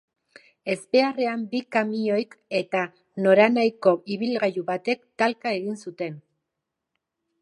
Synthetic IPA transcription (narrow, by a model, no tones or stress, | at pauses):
e̞spe̞are̞ambikamio̞jke̞t̪a | no̞ɾanajko̞iβ̞ilɣajuβat̪e̞kt̪alkae̞ɣinsut̪e̞n